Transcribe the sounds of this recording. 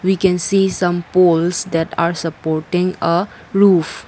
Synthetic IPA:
wikɛ̃nsiːsʌ̃mpolsd̪ɛʈaːɾsəpɔɾʈɪ̃ŋə | ɾuf

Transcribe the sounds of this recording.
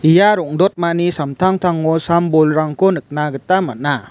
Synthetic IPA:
ijaɾɔŋdɔt̚manisamtʰaŋtʰaŋɔsambɔlɾaŋkɔnɯk̚naɡɯtamat̚na

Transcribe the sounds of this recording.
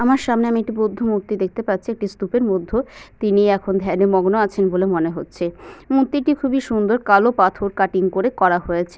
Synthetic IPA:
amaɾʃamneamiek̚ʈibod̪ʱːomuɾt̪ːid̪ek̚ʰt̪epatːɕʰiek̚ʈist̪upeɾmod̪ʱːot̪iniɛkʰond̪ʱɛnemɔɡnoat͡ɕʰenbolemoneɦotːɕʰemut̪ːiʈikʰubiʃund̪oɾkalopat̪ʰoɾkaʈiŋkoɾekɔɾaɦojet͡ɕʰe

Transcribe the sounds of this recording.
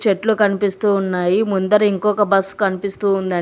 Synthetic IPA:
t͡ʃeʈlukɐnipist̪uːnːaːjimund̪ɐɾɐiŋkɔːkɐbɐsːkɐnipist̪uːnd̪ɐ

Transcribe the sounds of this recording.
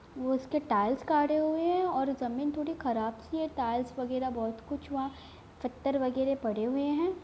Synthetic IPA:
ʋoɪskeʈaːɪlskaːɽeɦʊeɦɛ̃ɔːɾzɐmĩːnt̪ʰoːɽixɐɾaːbsieʈaːɪlsʋɐɡɛːɾabɔːt̪kʊt͡ʃʰʋɐɦã | fɪt̪ːəɾʋɐɡɛːɾepɐɽ̤eɦʊeɦɛ̃ː

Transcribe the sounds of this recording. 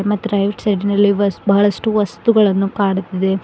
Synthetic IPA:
mɐt̪ːuɾɐjʋiʈsɐɖinɐlːiʋɐsbɐɦɐɭɐʂʈuʋɐst̪uɡɐɭɐnːukaːɽut̪ːid̪e̞

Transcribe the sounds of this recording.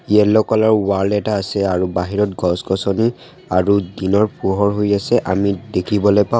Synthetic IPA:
iɛlɔkɔlɔɹwaɹlɛtaːsɛaɹubaɦiɹɔt̚ɡʱɔskɔsɔni | aɹudinɔɹpuɦɔɹɦojasɛʔamidekʰibɔlojpã

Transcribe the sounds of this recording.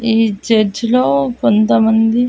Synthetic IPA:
iːd͡ʒeɾd͡ʒloːkont̪ɐmɐnd̪i

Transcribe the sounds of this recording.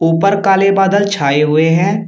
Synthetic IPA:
uːpəɾkaːlebaːd̪əlt͡ʃʰaːeɦʊeɦɛ̃ː

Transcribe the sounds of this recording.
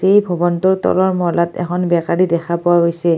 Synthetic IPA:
ejbʱɔbɔntɔɹtɔ̰lɔɹmɔlatɛ̰kʰɔnbɛkaɹidɛxʰapɔwaɦojsɛ

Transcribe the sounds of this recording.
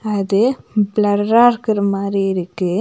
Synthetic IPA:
ɐðɯblɐɾɾaːɾɯkɯɾɐmaːd̪ɾiɪɾɯkːɯ

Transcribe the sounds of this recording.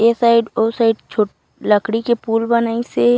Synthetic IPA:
eːsaɪɖosaɪɖt͡ʃʰoʈ | ləkɽikepuːlbɐnaːise

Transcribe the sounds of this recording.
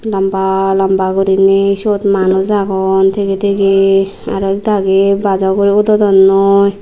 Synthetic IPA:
lambalambaɡɔɾinesɔt̪manɔzaɡɔnt̪ʰeket̪ʰeɡe | a̰ɾɔk̚d̪aɡebad͡ʒawkɔɾiɔd̪ɔd̪ɔnːɔj

